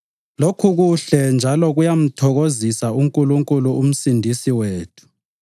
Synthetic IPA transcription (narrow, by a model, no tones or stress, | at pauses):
lokʰuɣuɬɛnd͡ʒʱalɔɣujam̩tʰɔɣozisauŋkʼuluŋkʼuluum̩sindʱisiweːtʰu̥